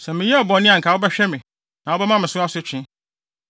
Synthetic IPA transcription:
sɛ̃˨mɪ̃˨jɛ˦a˨bɔ˨nɪ̃˦ã˨ŋ̩˨kʰa˨wo˦bɛ˦ɕᶣɛ˦mɪ̃˨ | nã˨wo˦bɛ˦mã˦mɪ̃˨sʊ˦a˦sʊ˦t͡ɕʰᶣɪ̃˦

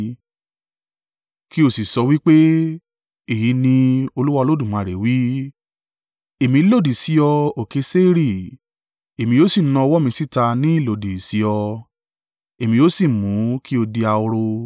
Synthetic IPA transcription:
ki˦o˦˨si˨sɔ˧wi˦k͡pe˦ | e˦˨ji˨˦nĩ˧o˧lu˦wa˧lo˦dũ˦˨mã˨ɾe˨wi˦ | e˨mĩ˧˦lo˦˨di˨si˨˦ɔ˧o˨ke˨˧˦se˦ɾi˦˨ | e˨mĩ˧jo˦si˦˨˦nã˧ɔ˧wɔ˦mĩ˧si˦ta˧nĩ˦i˦˨lo˨di˨si˨˦ɔ˧ | e˨mĩ˧jo˨˦si˦˨mũ˨˦ki˦o˧di˧a˧o˧ɾo˧

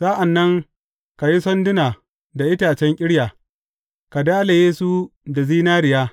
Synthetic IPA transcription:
saː˦ʔa˨nːɐ˦ŋ | ka˨ji˦sɔ˦ndɪ˦naː˨ | da˨ʔɪ˦taː˨t͡ʃɛ˦ŋkʲʼɪ˦ɽjaː˨ | ka˨daː˦le˨jeː˦su˦da˨ziː˦naː˦ɾɪ˨jaː˦

